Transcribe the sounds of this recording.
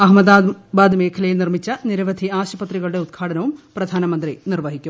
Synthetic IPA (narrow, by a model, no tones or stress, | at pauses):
ɐɦmɐd̪abaːd̪ɨme̞ːkʰɐlɐjilnirmit͡ɕːɐniɾɐʋɐd̪ʱiaːɕɐpɐt̪riɣɐɭuɽe̞ud̪̚ɡʰʱaːɽɐnɐʋumprɐd̪ʱaːnɐmɐnd̪rinirʋɐɦikʲːum